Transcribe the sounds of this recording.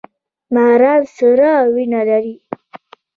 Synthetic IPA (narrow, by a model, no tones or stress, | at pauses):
maɾawsəɾawinalaɾi